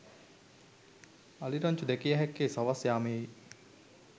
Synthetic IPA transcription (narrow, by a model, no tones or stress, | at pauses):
aliɾaɲt͡ʃud̪ɛkijəɦɛkːeːsaʋasjaːmeji